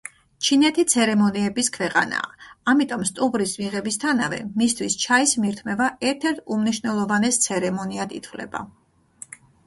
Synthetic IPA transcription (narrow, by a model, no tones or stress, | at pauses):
t͡ʃʰinɛt̪ʰit̪sʰɛɾɛmɔniɛbiskʰwɛqʼa̰na̰ːamit̪ʼɔmst̪ʼubɾismiʁɛbist̪ʰanavɛ̰mist̪ʰwist͡ʃʰaismiɾt̪ʰmɛvaɛɾt̪ʰɛɾt̪ʰumniʃvnɛlˠɔvanɛst̪sʰɛɾɛmɔniad̪ḭt̪ʰvlɛ̰ba̰